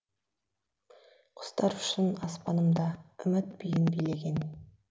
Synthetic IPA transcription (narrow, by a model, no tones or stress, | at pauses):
qʰʊ̥st̪ɑɾʊ̥ʃɪnɑspɑnəmd̪ɑʏmɘt̪̚bijɪnbijleɡʲen